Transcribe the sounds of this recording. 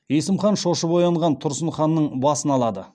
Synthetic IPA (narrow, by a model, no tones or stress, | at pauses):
jesəmχɑnʃo̞ʃəpo̞jɑɴʁɑnt̪ʰʊɾsənχɑnːəɴbɑsənɑlˠɑd̪ə